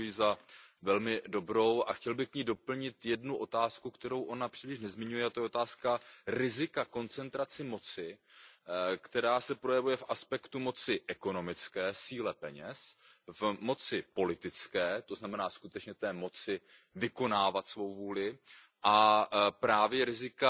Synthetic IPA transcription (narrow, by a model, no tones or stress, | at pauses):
jiːzavɛlmɪdo̞bɾo̞wʔaxcɛlbɪxkɲiːdo̞pl̩ɲɪt̪jɛdnuʔo̞t̪aːskukt̪ɛɾo̞wʔo̞napr̥iːlɪʃ̬nɛzmɪɲujɛat̪ojɛot̪aːskaɾɪzɪkako̞nt͡sɛnt̪ɾat͡sɪmo̞t͡sɪ | kt̪ɛɾaːsɛpɾo̞jɛvujɛfʔaspɛkt̪umo̞t͡sɪʔɛko̞no̞mɪt͡skɛːsiːlɛpɛɲɛsvmo̞t͡sɪpo̞lɪt̪ɪt͡skɛːt̪o̞znamɛnaːskut̪ɛt͡ʃɲɛt̪ɛːmo̞t͡sɪ | vɪko̞naːvat̪svo̞wvuːlɪ | ʔapɾaːvjɛɾɪzɪka